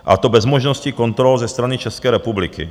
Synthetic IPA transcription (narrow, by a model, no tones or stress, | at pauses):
ʔa̰t̪obɛzmoʒnoscikont̪ɾɔlzɛst̪ɾanit͡ʃɛskɛːɾɛpublikḭ